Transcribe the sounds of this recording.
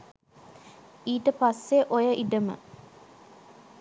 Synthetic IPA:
iːʈəpasːeʔojəʔiɖəmə̰

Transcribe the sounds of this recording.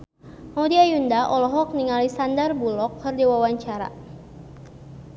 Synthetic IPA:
maudiajundaʔɔlɔɦɔk̚niŋalisandərbulɔk̚hərdiwawaɲt͡ʃaɾa̰

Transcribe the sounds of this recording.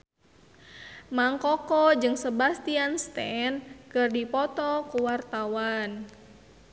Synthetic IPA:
maŋkɔkɔd͡ʒɨŋsəbast̪ianst̪ɛnkərdipɔt̪ɔkuwart̪awan

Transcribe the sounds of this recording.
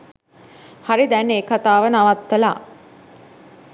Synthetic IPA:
haɾid̪ɛnːeːkat̪aːʋənaʋat̪ʋəla̰

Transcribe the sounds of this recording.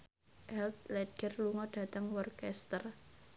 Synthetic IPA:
ʔɛlt̪̚lɛɡ̥ərluŋɔɖ̥ä̤t̪əŋwɔrkɛst̪ər

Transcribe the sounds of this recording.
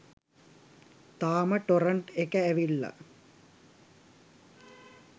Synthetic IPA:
t̪aːməʈoɾəɳʈekəæʋilːa̰

